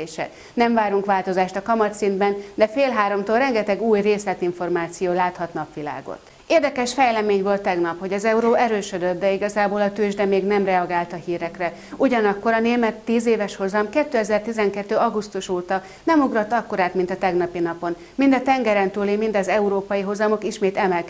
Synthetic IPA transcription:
eːʃɛ̰ | nɛɱvaːɾuŋkʋaːlt̪o̞zaːʃt̪ɒkɒmɒt̪sind̪bɛnd̪ɛfeːlɦaːɾo̞mt̪orɛŋɡɛt̪ɛɡuːjreːslɛt̪iɱfo̞rmaːt̪sijoːlaːt̪hɒt̪nɒpʋila̰ːɡo̰t̪ː | eːrd̪ɛkɛʃfɛjlɛmeːɲvo̞lt̪ːɛɡnɒpho̞ɟɒzɛuɾoːʔɛɾøːʃød̪ød̪̚ːɛiɡɒzaːboːlɒt̪øːʒd̪ɛmeːɡnɛmrɛɒɡaːlt̪ɒhiːɾɛkrɛ | uɟɒnɒkːo̞ɾɒneːmɛt̪ːiːzeːvɛʃho̞zɒmkɛt̪ːøːɛzɛrt̪izɛŋkɛt̪ːøːɒɡust̪uʃoːt̪ɒ | nɛmuɡro̞t̪ːɒkːo̞ɾaːt̪mint̪ɒt̪ɛɡnɒpinɒpo̞n | mind̪ɒt̪ɛŋɡɛɾɛnt̪uːlimind̪ɒzɛuɾoːpɒjiɦo̞zɒmo̞kiʃmeːt̪ɛmɛlk

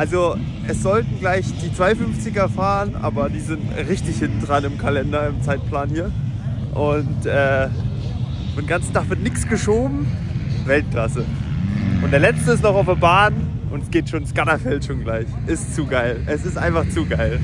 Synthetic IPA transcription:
ʔalzo | ʔɛsz̥ɔltn̩ɡlaɪçd̥iːt͡sv̥aɪfʏnft͡sɪɡɐfaːʁənʔa̰ːbɐdiːzɪntʁɪçtɪçhɪntn̩d̥ʁanɪmkʰalɛndɐɪmt͡saɪt̚pʰl̥aːnhiːɐʔʊntʔɛː | fɡant͡sn̩tʰaχv̥ɪɐtnɪksɡ̥əʃoːbm̩vɛlt̚kl̥asə | ʔʊntd̥eːɐlɛt͡stəɪs̬tnɔχaʊfeɐbaːnʔʊntɛsɡ̥eːtʃoːnskatafɛltʃoːnɡlaɪçʔɪst͡suɡaɪlʔɛsɪstʔa̰ɪnfaχt͡suːɡaɪl

